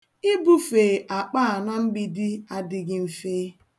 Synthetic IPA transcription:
ɪ˦bu˦feː˨ʔa˨k͡paː˦a˨na˦m̩˦ɡ͡bi˦dɪ˦a˦dɪ˨ɡɪ˦m̩˨feː˦

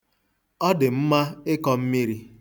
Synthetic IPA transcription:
ɔ˦dɪ˨m̩˦ma˦ɪ˦kɔ˦m̩˦mi˦ɾi˦

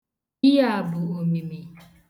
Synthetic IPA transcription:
i˦a˦a˨bʊ˨o˨mi˨mi˨

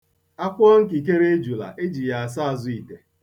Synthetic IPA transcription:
a˦kʷɔ˦ŋ̩˦ki˨k̬e˦ɾe˦e˦d͡ʒu˨la̰˨ʔe˦d͡ʒi˨ja˨a˨s̬a˦a˨zʊ˨i˨te˨

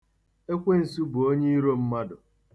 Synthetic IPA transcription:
e˦kʷe˦n̩˨su˦bʊ˨o˦ɲe˦i˦ɾo˦m̩˦ma˦dʊ˨

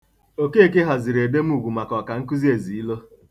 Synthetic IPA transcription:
o˨ke˦˨ke˦ɦɔ˨zɪ˨ɾe˨de˦m̩˦u˨ɡʷu˨ma˨kɔ˨ka˨ŋ̩˦ku˦zi˦e˨zi˨i˦lo˦

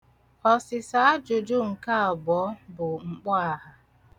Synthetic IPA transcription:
ɔ˨sɪ˨sa˦a˦d͡ʒʊ˨d͡ʒʊ˦ŋ̩˨ka˦ɔ˨bɔ˨˦bʊ˨ŋ͡m̩˨k͡pɔ˦a˨ɦa˦

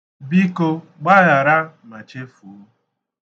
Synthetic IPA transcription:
bi˦ko˦ | ɡ͡ba˦ɣa˨ɾa˦ma˨t͡ʃe˦fu˨˦

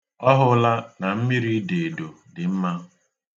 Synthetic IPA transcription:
ɔ˦ɦʊ˦la˦na˨m̩˦mi˦ɾi˦de˨e˨do˨ | dɪ˨m̩˦ma˦

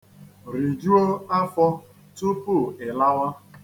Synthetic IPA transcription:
ɾi˨d͡ʒu˦o˦a˦fɔ˦ | tu˦pu˦˨ɪ˨la˦wa˦

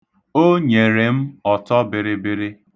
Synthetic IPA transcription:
o˦ɲe˨ɾe˨m̩˦ɔ˨tɔ˦bɪ˨ɾɪ˦bɪ˦ɾɪ˦

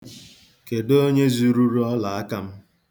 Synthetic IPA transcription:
ke˨do˦ɲe˦zu˦ɾu˦ɾu˦ɔ˦la˨a˦ka˦m̩˦

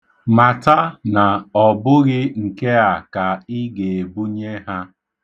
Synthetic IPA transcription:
ma˨ta˦na˨ɔ˨bʊ˦ɣɪ˦ŋ̩˨ke˦a˨ka˨i˦ɡe˨e˨bu˦ɲe˦ɦa˦

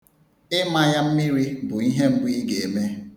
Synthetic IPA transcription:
ɪ˦ma˦ja˦m̩˦mi˦ɾi˦bʊ˨i˦ɦe˦m̩˦bʊ˦i˦ɡe˨e˨me˦

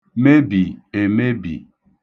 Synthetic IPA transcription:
me˦bi˨e˨me˦bḭ˨

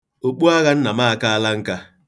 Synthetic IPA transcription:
o˨k͡pu˦a˦ɣa˦n̩˦na˨ma˦˨ka˦a˦la˦ŋ̩˦ka˦

